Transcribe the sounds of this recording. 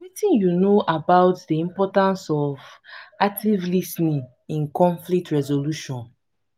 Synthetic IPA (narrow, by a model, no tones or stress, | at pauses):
witĩnjunoʔabaʊtdiĩmpɔtãnsɔvak̚tʰivlisnĩ | ĩnkɔ̃ɱflik̚tɹɛzoluʃɔ̃n